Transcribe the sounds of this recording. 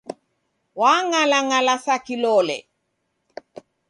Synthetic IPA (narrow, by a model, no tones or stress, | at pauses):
waŋalaŋalasakilɔlɛ̰